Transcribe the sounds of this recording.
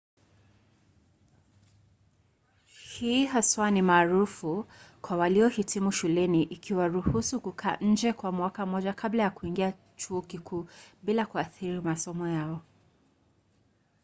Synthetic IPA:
hiːɦaswanimaːɾufukwawaliɔhitʰimuʃulɛniʔikʰiwaɾuhusukukʰa̰ːʔɲ̩d͡ʒɛkwamwakam̩ɔʄakʰablajakuiŋɡia | t͡ʃuɔkikʰuːɓilakuaθiɾimasɔmɔjaɔ

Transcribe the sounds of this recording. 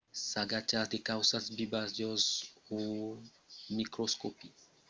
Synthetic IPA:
saɡat͡ʃad̪ekawsasbibazjɔzu | mikɾoskopi

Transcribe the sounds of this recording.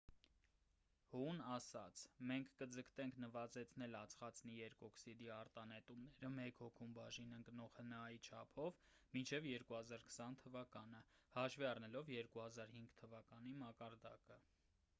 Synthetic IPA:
hunɑsɑt͡sʰmɛŋkʰːəd͡zəkʰt̪ɛŋkʰnəvɑzɛt͡sʰnɛlɑt͡sʰχɑt͡snijɛɾkɔksid̪iɑɾt̪ɑnɛt̪umnɛɾəmɛkhɔkʰumbɑʒinəŋknɔʁhənɑit͡ʃʰɑpʰɔvmint͡ʃʰɛvjɛɾkuhɑzɑɾkʰsɑnt̪ʰəvɑkɑnəhɑʃviɑrnɛlɔvjɛɾkuhɑzɑɾhiŋɡt̪ʰəvɑkɑnimɑkɑɾd̪ɑkə

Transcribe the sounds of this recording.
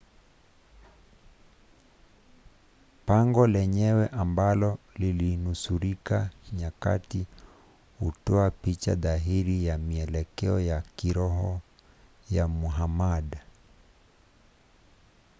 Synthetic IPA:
paŋɡɔlɛɲɛwɛʔambalɔ | lilinusuɾikaɲaka̰ti | hṵtɔapit͡ʃa̰ðaɦiɾijamiɛlɛkɛɔjakiɾɔɦɔ | jamuɦamaɗa

